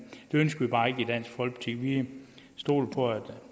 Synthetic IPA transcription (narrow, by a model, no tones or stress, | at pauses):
d̥e̝ønsɡ̥ɐʋib̥ɑ̈ːe̝ɡ̥əid̥æn̰sɡ̥fɒ̽l̰ɡb̥t͡sʰiɡ̥ʋisd̥o̝̰ːlpʰɒ̽æd̥